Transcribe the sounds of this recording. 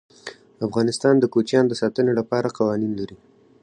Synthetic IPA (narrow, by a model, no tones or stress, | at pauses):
afɣɑnɪst̪ɑnd̪əkot͡ʃjɑnod̪əsɑt̪ənelapɑɾaqɑwɑninlaɾi